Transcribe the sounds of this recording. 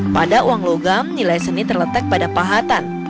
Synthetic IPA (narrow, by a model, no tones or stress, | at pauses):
padauaŋloɡamnilajsənit̪ərlət̪ak̚padapaɦat̪an